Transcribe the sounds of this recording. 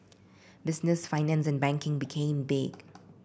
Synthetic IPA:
bɪsnɪsfaɪnɛ̃ns̬ɛ̃nbɛ̃ŋkɪ̃ŋbikʰẽːmbɪɡ̥

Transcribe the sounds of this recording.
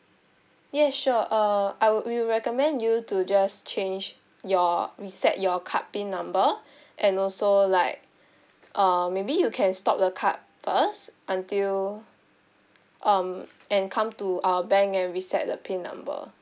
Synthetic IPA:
jɛʃuʔʌaɪwwiɹɛkəmɛ̃njutud͡ʒast͡ʃẽnd͡ʒ | jɔɹisɛ̰t̚jɔkʰa̰t̚pẽnːãmbə | ʔɛ̃nɔlsolaɪk̚ | ʔʌ̃mebijukʰɛ̃nstɔp̚dəkʰa̰t̚fəstʔãntil | ʔʌ̃m | ʔɛ̃nkʰãmtuawəbɛ̃ŋkɛ̃nɹisɛ̰t̚dəpʰẽnːã̰mbə̰

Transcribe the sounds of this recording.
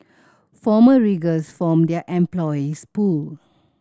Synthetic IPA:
fɔməɹiɡəsfɔ̃mdɛəʔɛ̃mplɔispul

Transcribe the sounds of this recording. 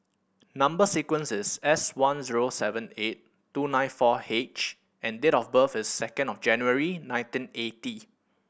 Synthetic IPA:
nãmbəsikwə̃nsɪsɛswãnziɹosɛvə̃net̚ː | unãɪ̃nfɔhet͡ʃ | ʔɛ̃ndeɾɔfbəfɪsːɛkə̃ndɔfd͡ʒɛ̃njuəɹinãj̃ntĩneti

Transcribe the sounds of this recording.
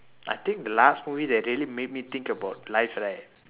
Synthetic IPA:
ʔa̰jt̪ĩŋk̚d̪əlastmuvidɛɹiəlimed̚mit̪ĩŋkəbaʊt̚lajfɹajt̚

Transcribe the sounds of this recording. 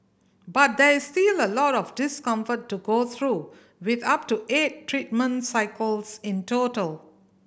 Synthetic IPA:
bat̚d̪ɛɹistiləlɔtɔfdɪskʌ̃ɱfətːuɡot̪ʰɹu | wɪd̪ap̚tuʔetːɹit̚mə̃nsaɪkʰəlsɪ̃ntotəl

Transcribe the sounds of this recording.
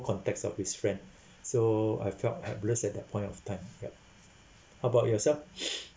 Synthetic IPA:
kʰɔ̃ntɛk̚sɔ̰fhisfɹɛ̃nd | soa̰jfɛthɛ̰pləsɛt̚dəpʰɔ̃ɪ̃ntɔftʰãɪ̃mjɛ̰p̚ | haʊəbaʊt̚jɔsɛlf

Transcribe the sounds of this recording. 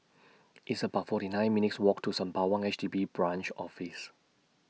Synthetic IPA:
ʔitsəbaʊtfɔtinãɪj̃nminitswɔk̚tʰusãmpawãŋɛt͡ʃdibibɹãnt͡ʃɔ̰fis

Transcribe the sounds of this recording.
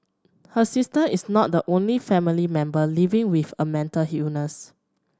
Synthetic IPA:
həsistəisnɔt̚dəʔõnlifɛ̃milimɛ̃mbəlivɪ̃ŋwifəmɛ̃ntəlhjunəs

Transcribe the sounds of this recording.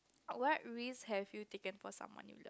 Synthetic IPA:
wɔt̚ɹishɛvjutekə̃nfɔsã̰mwɔ̰̃njṵlə̰

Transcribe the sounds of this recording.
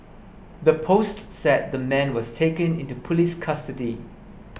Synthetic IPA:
ðəpʰostsɛt̚ðəmɛ̃nwɔstʰeɪkə̃nɪ̃ntupʰuliskʰʌstədi

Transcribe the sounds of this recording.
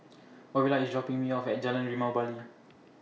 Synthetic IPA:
ɔbilaisdɹɔpĩŋmiɔfɛt̚d͡ʒalə̃nɹimawbali

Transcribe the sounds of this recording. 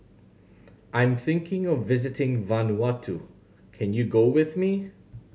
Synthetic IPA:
ʔãɪ̃mθɪ̃ŋkʰɪ̃ŋʌvːɪzɨtɪ̃ŋvãnwɑtʰu | kʰɨ̃njɨɡoʊwɪðmi

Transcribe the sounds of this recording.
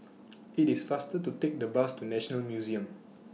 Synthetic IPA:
itisfastətutek̚dəbastunɛʃɔnəlmjuziə̃m

